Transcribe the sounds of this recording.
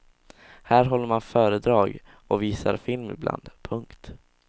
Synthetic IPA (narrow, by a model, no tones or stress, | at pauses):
hæːɾɦɔlːəɾmanfœːɾəd̪ɾɑːɡ | ʔɔviːsaɾfɪlmɪ̰blʔa̰nd̪pʰɵŋkt̪